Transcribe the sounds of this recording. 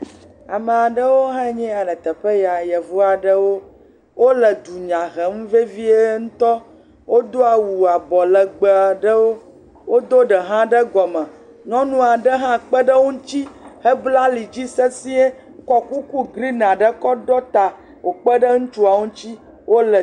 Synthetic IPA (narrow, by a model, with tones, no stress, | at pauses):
a˨mə˨a˨ɖə˦wo˦ɦɛ˦ɲɛ̃˦a˨ɖə˨t̪ə˨ɸə˦ja˨jɛ˨vo˦a˨ɖə˦wo˦ | wo˦lə˨d̪u˨ɲã˨ɣɛ˨˦m˦ve˦vi˦e˦ŋũ˦t̪ɔ˦ | wʔo˦d̪o˦a˨wu˨a˨bɔ˨lə˨ɡ͡bə˨a˨ɖə˦wo˦ | wo˦d̪o˦ɖə˨ɦã˦ɖə˦ɡɔ˨mə̃˨ | ɲɔ̃˦nũ˦a˨ɖə˦ɦã˦k͡pə˦ɖə˦wu˦t͡ɕi˦hə˦bla˦li˨d͡ʑi˦se˦si˦e˦ | kɔ˦ku˦ku˦ɡɾi˦n˨ã˨ɖə˦kɔ˦ɖɔ˦t̪a˨ | wo˨k͡pə˦ɖə˦ŋũ˦t͡ʃu˦a˨wũ˦t͡ɕi˦ | wo˦lə˨